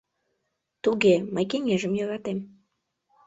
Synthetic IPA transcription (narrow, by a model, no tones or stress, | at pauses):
t̪uɣeməjkeŋeʒəmjøɾɑt̪em